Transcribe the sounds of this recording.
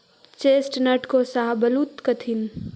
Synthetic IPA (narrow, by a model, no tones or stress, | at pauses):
t͡ʃesʈnəʈkosaɦbəlut̪kət̪ʰin